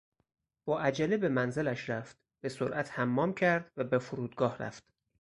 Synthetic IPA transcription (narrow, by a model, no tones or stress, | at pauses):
b̥ɒːʔæd͡ʒælebe̞mænzelæʃɾæft̪̚ | b̥e̞soɾʔæt̪ʰhæmːɒːmcʰæɾd̪væbefoɾuːd̪ɡɒːhɾæ̰ft̪